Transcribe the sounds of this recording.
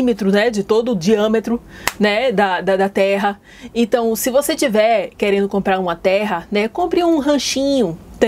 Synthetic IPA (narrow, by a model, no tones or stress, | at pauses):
met̪ɾʊnɛd͡ʒɪt̪od̪ʊːd͡ʒiɐ̃met̪ɾʊnɛd̪ɐd̪ɐd̪ɐt̪ɛɦɐ | ẽt̪ɐ̃w̃sɪvoset͡ʃivɛɾkeɾẽnd̪ʊkõmpɾaɾũmɐt̪ɛɦɐnɛkõmpɾɪũɦɐ̃ʃĩɲʊt̪ẽ